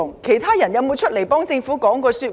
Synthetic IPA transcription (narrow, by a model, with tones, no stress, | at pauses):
ŋkʰe˨˩jt̪ʰaː˥jɐ˨˩njɐ˨˧wmo˨˧wt͡ʃʰɵ˥le˨˩jpɔː˥ŋt͡sɪ˧ŋfuː˨˥kɔː˨˥ŋkɔː˧syː˧t̚